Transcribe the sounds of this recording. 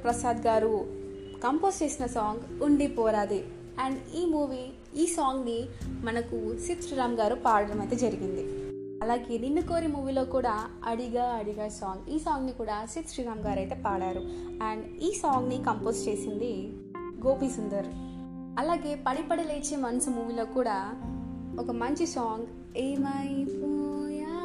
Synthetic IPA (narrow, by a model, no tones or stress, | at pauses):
pɾɐsaːd̪ɡaːɾu | kɐmpo̞ːst͡ʃeːsinɐsaːŋɡuɳɖipɔːɾaːd̪i | aːɳɖiːmuːʋi | iːsaːŋɡnimɐnɐkusit̪ʃɾiːɾaːmɐɡaːɾupaːɾɽɐɾɐmɐjt̪eːd͡ʒɐɾiɡind̪i | ɐlaːɡe̞ːninːuko̞ːɾimuːʋiloːkuːɽaː | ɐ̰ɽiɡaːɐɽiɡaːsaːŋɡiːsaːŋɡnikuːɽaːsit̪ʃɾiːɾaːmɡaːɾɐjt̪e̞ːpaːɽaːɾu | aːɳɖ | iːsaːŋɡnikɐmpoːst͡ʃe̞ːsind̪i | ɡo̞ːpiːsund̪ɐɾ | ɐlaːɡe̞ːpɐɽipɐɽɐleːt͡ʃːeːmɐnɐsumuːʋilo̞ːkuːɽaː | ɔkɐmɐɲt͡ʃisaːŋɡ | eːmɐajpuja